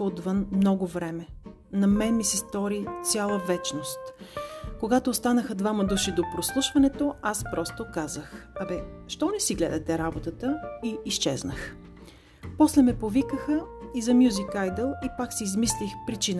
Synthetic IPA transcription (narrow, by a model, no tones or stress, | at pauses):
od̪vɤnmnɔɡovɾɛmɛ | nɐmɛmisist̪ɔɾiːt̪sʲjalˠəvɛt͡ʃnost̪koɡat̪oːst̪anəxəd̪vamɐd̪uʃid̪opɾoslˠuʃvɐnɛt̪oaspɾɔst̪okazəxɐbɛʃt̪ɔnɛsiɡlɛ̰d̪ɐt̪ɛɾabot̪ət̪əiːst͡ʃɛ̰znə̰x | pɔslɛmɛpovikəxəizɐmjuzikajd̪əlˠipaksiːzmislixpɾit͡ʃinə